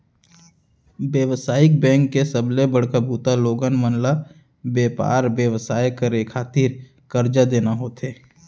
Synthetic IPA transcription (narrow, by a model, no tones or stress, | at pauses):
bjəʋsaːɪk̚bɛ̃ːŋkːesəblebəɽkəbuːt̪aloːɡənmənla | beːpa̰ːɾbjəʋsaːjkəɾekʰːaːt̪iːɾ | kəɾd͡ʒad̪eːnaɦoːt̪eː